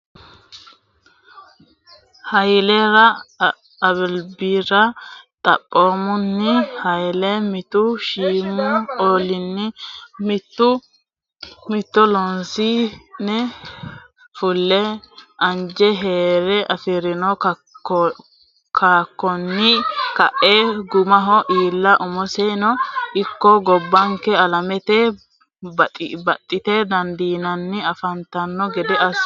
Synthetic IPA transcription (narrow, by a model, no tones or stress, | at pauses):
hɐjlɛɾɐː | bɪlbiɾɐt̪ʼɐ̰pʼːoːmʊnːɪhɐjlɛmɪt̪uʃiːmɔoːlɪnːɪmɪt̪ːʊ | mɪt̪ːɔlɔnsinɛ | fʊlːɛʔɐnd͡ʒɛɦeːɾɛʔɐfɪɾɪnɔ | kʰaːkːɔnːɪkɐʔeːɡʊmɐɦɔʔiːlːɐʔʊmɔsɛnɔɪkːɔɡɔbːɐŋkɛɐlɐmɛt̪e | bɐbɐt̪ʼːɪt̪eːd̪ɐnd̪iːnɐnːɪɐfɐnt̪ɐnːɔɡɛd̪ɛɐs